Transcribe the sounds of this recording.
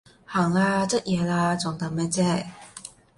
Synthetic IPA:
ha˨˩ŋla˧t͡sə˥t̚jɛ˨˩la˧t͡sʊ˨˩ŋt̪ɐ˨˥mɛ˥t͡sɛ˥˩

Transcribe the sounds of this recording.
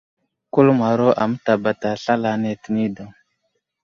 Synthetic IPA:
ku˦lma˨ɾo˦ʔa˨mə˦ta˨ba˨ta˨ɬa˦la˨ne˨tə˨ni˦da˨ŋ

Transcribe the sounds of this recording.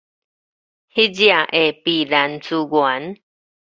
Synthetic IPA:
hi˦d͡ʒi˦a˨ʔe˨pi˨ða˨nt͡su˧ɡwa˨˦n

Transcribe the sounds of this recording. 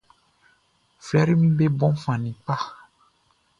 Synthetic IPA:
flɛ˦ɾi˦mĩ˦be˦bɔ̃˦m˦fã˨nĩ˨k͡pa˦

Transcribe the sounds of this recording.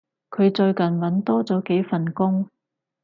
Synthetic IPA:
kʰɵ˨˧ɥt͡sɵ˧ɥkɐ˨˩nwɐ˨˥nt̪ɔː˥t͡sɔː˨˥ke˨˥jfɐ˨nkʊ˥ŋ

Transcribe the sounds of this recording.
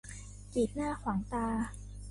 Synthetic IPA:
kiː˨˩t̪̚naː˥˩kʰwaː˩˦ŋt̪aː˧

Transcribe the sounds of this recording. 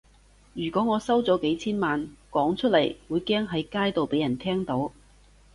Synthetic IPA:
jyː˨˩kʷɔː˨˥ŋɔː˨˧sɐ˥wt͡sɔː˨˥ke˨˥jt͡sʰiː˥nmaː˨nkɔː˨˥ŋt͡ʃʰɵ˥t̚lɐ˨˩jwuː˨˧jkɛː˥ŋɦɐ˨˥jkaː˥jt̪o˨wpe˨˥jɐ˨˩nt̪ʰɛː˥ŋt̪o˨˥w

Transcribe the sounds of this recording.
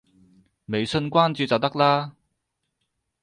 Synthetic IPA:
me˨jsɵ˧nkʷaː˥nt͡syː˧t͡sɐ˨wt̪ɐ˥k̚laː˥

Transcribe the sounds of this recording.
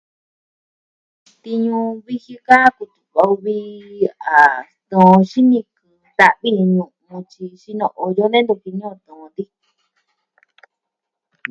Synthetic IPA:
t̪i˧ɲũ˧βi˧hi˧ka˦ku˧t̪u˨ka˧u˧βi˦a˨ | t̪õ˨˧ʃi˦nĩ˧kɨ˨d̪a˧ʔβi˦ɲũ˨˧mũ˧t͡ʃi˧ʃi˧nõ̰˧ʔo˧jo˦nẽ˦nd̪ũ˧˨ki˧ɲõ˦˧t̪õ˨˧d̪i˦

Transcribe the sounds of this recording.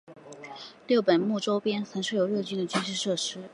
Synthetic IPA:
ljo˥˩ʊpə˨˩nmu˥˩ʈ͡ʂo˥ʊpjɛ˥nt͡sʰa˧˥ŋʂwɤ˥˩jo˨˩ʊɻɤ˥˩t͡ɕy˥nd̪ə˨t͡ɕy˥nʂɻ̩˥˧ʂɤ˥˩ʂɻ̩˥

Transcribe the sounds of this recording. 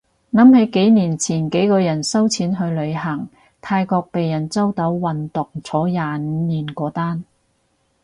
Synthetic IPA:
nɐ˨˥mhe˨˥jke˨˥jniː˨˩nt͡sʰiː˨˩nke˨˥jkɔː˧jɐ˨˩nsɐ˥wt͡sʰiː˨˥nɦɵ˧ɥlɵ˨˧ɥɦɐ˨˩ŋ | t̪ʰaː˧jkɔː˧k̚pe˨jːɐ˨˩nt͡sɐ˥wt̪ɐ˨˥wwɐ˨nt̪ʊ˨ŋt͡sʰɔː˨˥jaː˨˩n˧˨˧niː˨˩nkʷɔː˨˥t̪aː˥n

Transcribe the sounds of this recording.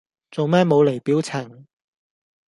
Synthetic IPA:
t͡so˨wmɛː˥nmo˨˧wle˨˩jpiː˨˥wt͡sʰɐ˨˩ŋ

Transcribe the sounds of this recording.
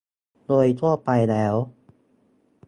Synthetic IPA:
doː˧jt̪ʰu˥˩ɐpa˧jlɛː˦˥w

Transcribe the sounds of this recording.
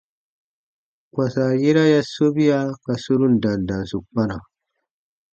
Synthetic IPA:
kwa˨sa˨ji˦ɾa˦ja˦so˦bi˦ja˦ka˨su˦ɾu˦nda˨nda˨nsu˨k͡pa˦na˨

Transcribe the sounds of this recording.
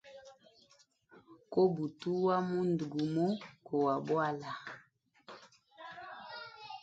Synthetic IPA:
ko˦bu˨tu˦wa˦mu˦ndɡu˨mo˦ko˨wa˨bwa˦la˨

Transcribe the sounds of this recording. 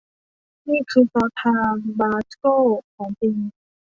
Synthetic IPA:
niː˥˩kʰɯː˧sɔː˧˥t̪ʰaː˧mbaː˧skoː˥˩kʰɔː˩˦ŋti˧ŋ

